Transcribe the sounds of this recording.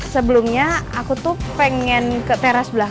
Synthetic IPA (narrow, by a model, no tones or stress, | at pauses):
səbəlumɲaakut̪ʊpəŋɛnkət̪eɾasbla